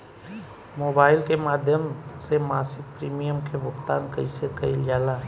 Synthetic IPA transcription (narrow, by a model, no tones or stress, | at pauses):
moːbaːɪlkemaːd̪ʱjəmsemaːsɪk̚pɾiːmijəmkebʊkt̪aːnkəisekəild͡ʒaːlaɦ